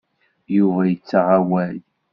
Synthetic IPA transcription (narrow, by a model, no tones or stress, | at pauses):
juvæjət͡sːaʁawæl